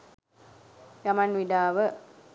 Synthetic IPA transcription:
jamanʋidaːʋə

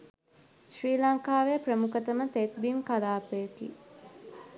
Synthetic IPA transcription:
ʃriːlaŋkaːʋeprəmukət̪əmət̪et̪̚bimkalaːpejəkḭ

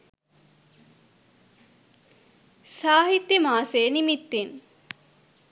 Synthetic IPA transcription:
saːɦit̪jəmaːseːnimit̪ːin

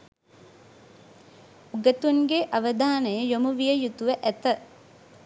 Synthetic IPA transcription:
uɡət̪uŋɡeʔaʋəd̪aːnəjəjomuʋijəjut̪uʋəʔæt̪ə

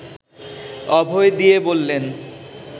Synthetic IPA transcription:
ɔbʱoed̪iebolːen

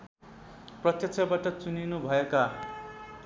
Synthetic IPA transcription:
prʌt̪jʌk̚t͡sʰʌbaʈʌt͡suninubʱʌeka

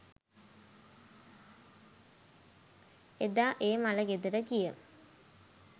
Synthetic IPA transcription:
ed̪aːʔeːmalɐɡed̪iɾəkijə

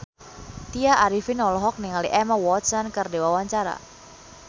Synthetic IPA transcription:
t̪iaʔaɾifinɔlɔɦɔk̚niŋaliʔɛmawɔt̪sankərdewawaɲt͡ʃaɾa̰

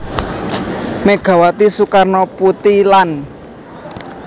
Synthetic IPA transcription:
meɡ̥ä̤wat̪isukarnɔput̪ilan

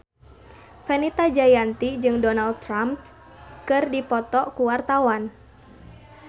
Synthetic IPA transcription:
fɛnit̪ad͡ʒajant̪id͡ʒɨŋdɔnald̚t̪ːɾamt | kɨrdipɔt̪ɔkuwart̪awan

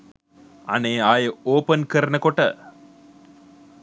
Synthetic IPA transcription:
ɐ̰neːaːjɐoːpɐnkɐɾɐnɐkoʈːɐ

